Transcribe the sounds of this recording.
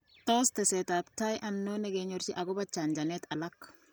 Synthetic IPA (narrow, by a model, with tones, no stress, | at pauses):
t̪o˦st̪ɛset̪a˨pt̪a˦jʔɐmno˦nɛɡeɲːɔɾt͡ʃɪ˦ʔɐ˨ɡɔ˦bɐt͡ʃːa˨nd͡ʒɐ˨ne˦t̪ɐ˨lɐ˦kː